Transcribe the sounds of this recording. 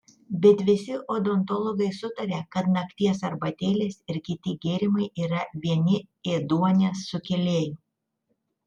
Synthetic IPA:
bʲɛt̪ʋʲɪsʲɪʔoːd̪ɔnt̪ɔlˠɔɡɐɪsʊt̪ɐɾʲekɐt̪nɐkt̪ʲiɛsɐɾbɐt̪ʲeːlʲeːsɪɾkʲɪt̪ʲɪɡʲeːɾʲɪmɐɪʔiːɾɐʋʲiɛnʲɪeːd̪uɔnʲeːsːʊkʲɛlʲeːj

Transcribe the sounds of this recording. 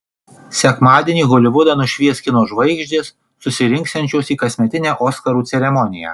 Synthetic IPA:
sʲɛkmɑːd̪ʲieːnʲiːɡoːlʲɪʋʊd̪ɐnʊʃʲʋʲiɛsʲkʲɪnoːʒʋɐɪɡʒʲd̪ʲeːsː | ʊsʲɪɾʲɪ̃ŋkst̪ʲɛnʲt͡ʃʲoːsiːkɐsʲmʲɛt̪ʲɪnʲæːʔoːskɐɾuːt̪sʲɛɾʲɛmɔnʲɪjæ̰ː

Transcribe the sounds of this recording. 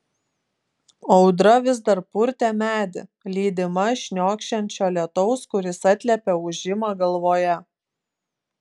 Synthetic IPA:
ɒʊd̪ɾɐʋʲɪzd̪ɐɾpʊɾʲt̪ʲɛmʲæːd̪ʲɪ̰lʲiːd̪ʲɪmɐʃʲnʲoːkʃʲɛnʲt͡ʃʲoːlʲɛt̪ɔʊskʊɾʲɪsɐt̪ʲlʲɛpʲɛʊʒʲɪmɑɡɐlˠʋoːjɛ

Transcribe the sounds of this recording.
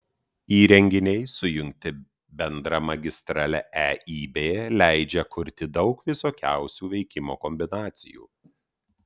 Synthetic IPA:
iːɾʲɛŋʲɡʲɪnʲɛɪsʊjʊŋʲk̚ʲt̪ʲɪ | bʲɛnd̪ɾɐmɐɡʲɪst̪ɾɑːlʲɛʔæiːbʲeːjɛlʲæɪd͡ʒʲɛkʰʊɾʲt̪ʲɪd̪ɒʊkʋʲɪsoːkʲæ̰ˑʊsʲuːʋʲɛɪkʲɪmo̰ːkɔmʲbʲɪnɑːt̪sʲɪ̰jṵː

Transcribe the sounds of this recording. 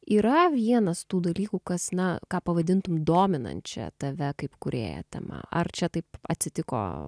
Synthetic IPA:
iːɾɐʋʲiɛnɐst̪uːd̪ɐlʲiːkukɐsnɐkɑːpɐʋɐd̪ʲɪnt̪ʊmd̪oːmʲɪnɐ̰nt̪t͡ʃʲɛ̰t̪ɐʋʲɛkɐɪpkʊɾʲḛːjɛ̰t̪ʲɛ̰mɐ̰ɐ̰rt͡ʃʲɛt̪ɐɪpɐt̪ʲsʲɪt̪ʲɪko̰ː

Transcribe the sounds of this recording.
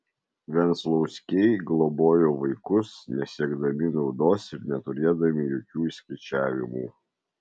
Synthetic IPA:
ʋʲɛnslˠɒʊsʲkʲɛɪɡlˠɔboːjoːʋɐɪkʊsnʲɛsʲiɛɡd̪ɐmʲɪnɒʊd̪oːsɪɾnʲɛt̪ʊɾʲeːd̪ɐmʲɪjoːkʲuːisʲkɐɪt͡ʃʲæːʋʲɪmuː

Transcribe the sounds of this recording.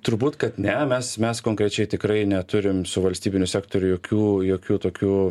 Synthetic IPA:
t̪ʊɾbuːt̪kɐt̪nʲɛmʲɛsmʲɛskoːŋkɾʲɛt͡ʃʲɛɪt̪ʲɪkɾɐɪnʲɛt̪ʊɾʲɪmsʊʋɐlʲsʲt̪ʲiːbʲɪnʲʊsʲæːkt̪oːɾʲʊjoːkʲuːjoːkʲuːt̪oːkʲuː

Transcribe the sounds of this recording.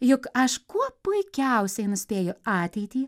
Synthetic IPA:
jʊkɐʃkuɔpʊɪkʲɛʊsʲɛɪnʊsʲpʲeːjʊɑːt̪ʲɛɪt̪ʲiː

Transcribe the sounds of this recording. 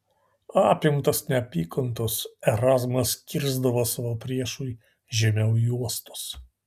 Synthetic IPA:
ɑːpʲɪmt̪ɐsnʲɛɐpʲiːkɐnt̪oːsɛɾɑːzmɐskʲɪɾzd̪ɐʋoːsɑʋoːpʲɾʲiɛʃuj | ʒʲɛmʲɛʊjuɔst̪o̥ːs

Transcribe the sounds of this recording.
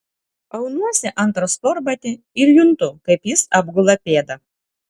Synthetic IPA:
ɐʊnuɔsʲɪʔɐnt̪ɾospɔɾbɐt̪ʲɪ | ɪɾjʊnt̪ʊkɐɪpjɪsɑbɡʊlˠɐpʲeːd̪ɐ

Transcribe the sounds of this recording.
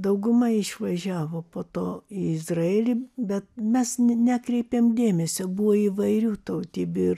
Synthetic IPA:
d̪ɐʊɡʊmɐɪʃʋɐʒʲæːʋoːpoːt̪oːiɪzrɐeːlʲibʲɛt̪̚mʲɛsnʲækɾʲɛɪpʲeːmd̪ʲeːmʲɛsʲobuʋoːiʋɐɪɾʲuːt̪ɐʊt̪ʲibʲʊr

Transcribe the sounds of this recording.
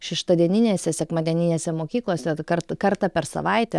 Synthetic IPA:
ʃʲɪʃt̪ɐd̪ʲiɛnʲɪnʲeːsʲɛsʲɛkmɐnd̪ʲɛnʲɪnʲeːsʲɛmoːkʲiːklˠoːsʲɛkɐrt̪kɐɾt̪ɑpʲɛɾsɐ̰ʋɐɪtt̪ʲɛ

